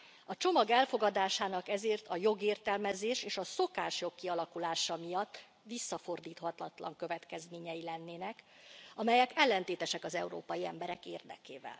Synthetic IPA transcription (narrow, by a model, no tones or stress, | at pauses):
ɒt͡ʃo̞mɒɡɛlfo̞ɡɒd̪aːʃaːnɒkɛzeːrt̪ʰɒjo̞ɡeːrt̪ɛlmɛzeːʃeːʃɒso̞kaːʃjo̞kːiɒlɒkulaːʃɒmijɒt̪ː | ʋisːɒfo̞rd̪iːt̪hɒt̪lɒt̪lɒ̰ŋkø̞vɛt̪kɛzmeːɲɛjilɛnːeːnɛk | ɒmɛjɛkɛlːɛnt̪eːt̪ɛʃɛkɒzɛ̰uɾo̰ːpɒjiɛ̰mbɛɾɛkeːrd̪ɛ̰keːvɛ̰l